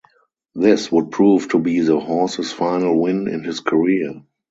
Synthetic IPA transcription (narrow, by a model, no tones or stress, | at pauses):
ðɪswʊd̚pʰɹuːvtʰubiːðəhɔsəsfãɪnəlwɪ̃nɪ̰̃nhɪskʰəɹiə